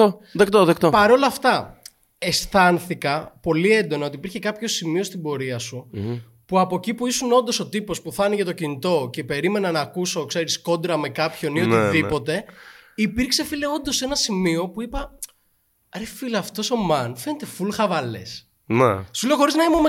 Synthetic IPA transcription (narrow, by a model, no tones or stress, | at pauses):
oðekt̪oðekt̪opɐɾo̞lɐːft̪ɐ | est̪ɐnθikɐpo̞lie̞nd̪o̞nɐo̞t̪ipiɾçe̞kɐpço̞simio̞st̪ibo̞ɾiɐsu | puɐpo̞cipuisuno̞nd̪o̞so̞t̪ipo̞spuθɐniʝɐt̪o̞cinit̪o̞ce̞pe̞ɾime̞nɐnɐːkuso̞kse̞ɾisko̞nd̪ɾɐme̞kɐpço̞nioniðipo̞t̪e̞ipiɾkse̞fileo̞nd̪o̞se̞nɐsimio̞puipɐ | ɾefilɐːft̪o̞so̞mɐnfe̞net̪e̞fulxɐvɐle̞̰s | nḛsule̞oxo̞ɾiznɐimome